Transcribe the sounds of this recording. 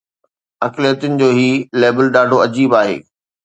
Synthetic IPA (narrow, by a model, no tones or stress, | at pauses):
ɐklijət̪ʊnɪ̆d͡ʑoːɦiːleːbəlɗaːɖʱoɐd͡ʑiːbaːɦḛː